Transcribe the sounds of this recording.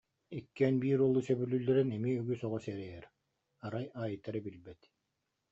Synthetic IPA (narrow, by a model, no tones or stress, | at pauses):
ikːɛnbiːɾɔlˠːusɛbylːylːɛɾɛnɛmiyɡysɔʁɔsɛɾɛjɛɾ | aɾajaːjɯt̪aɾɛbilbɛt̪